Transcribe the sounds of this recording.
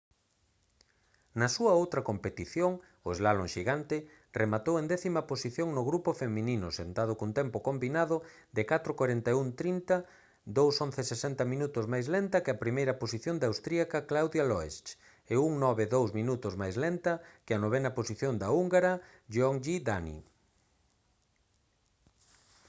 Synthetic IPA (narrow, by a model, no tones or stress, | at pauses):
nɐsuɐowt̪ɾɐkompet̪iθjoŋ | ʊezlaloŋʃiɣant̪ɪ | rʔemat̪owẽnd̪ɛθimɐposiθjoŋnʊɣɾupofemĩninʊ̰sent̪að̞ʊkunt̪ɛmpokombinaðʊ | d̪ɪkat̪ɾokwaɾent̪ajuŋt̪ɾint̪ɐ | d̪owsõn̟θesesɛnt̪ɐmĩnut̪ʊzmajzlent̪ɐkɪɐpɾimejɾɐposiθjond̪awst̪ɾiakɐklawðjalɔest͡ʃ | euŋnɔβɪðowzmĩnut̪ʊzmajzlent̪ɐkɪɐnoβ̞ɛnɐposiθjond̪auŋɡaɾɐ | ʒɔŋʎid̪anḭ